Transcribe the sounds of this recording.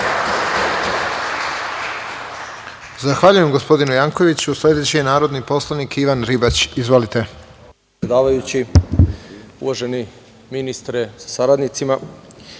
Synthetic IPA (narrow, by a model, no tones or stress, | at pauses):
zaxʋaʎuje̞mɡo̞spo̞d̪inujaŋko̞ʋit͡ɕuslʲe̞d̪et͡ɕijenaːɾo̞d̪nipo̞slˠanikʰiʋanɾibat͡ɕizʋo̞lit̪e̞ | eed̪aːʋajut͡ɕi | uʋaʒeni | minist̪ɾesḁsaɾad̪nit̪sima